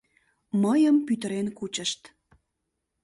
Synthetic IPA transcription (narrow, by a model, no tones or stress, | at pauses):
məjəmpyt̪əɾenkut͡ɕəʃt̪